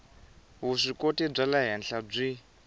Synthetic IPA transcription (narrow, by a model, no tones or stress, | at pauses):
ɦuʂikotib͡ʐalaɦɛnɬʰab͡ʐʷi